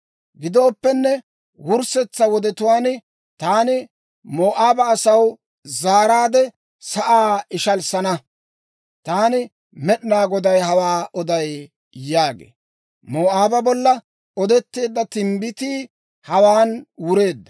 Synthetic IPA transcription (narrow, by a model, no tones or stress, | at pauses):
ɡɪd̪o̞ːpːɛnːɛ | wʊɾsɛt͡sːɐwɔd̪ɛt̪ʊwaːn | t̪aːnɪ | moːʔaːbɐːsɐw | zaːɾaːd̪ɛ | sɐʔaːɪʃɐlsɐnɐ | t̪aːnɪ | mɛɗnaːɡɔd̪ɐjɦɐwaːɔd̪ɐj | jaːɡḛː | moːʔaːbɐbɔlːɐ | ɔd̪ɛt̪ːe̞ːd̪ːɐt̪ɪmbɪt̪iː | hɐwaːnwʊɾe̞ːd̪ːɐ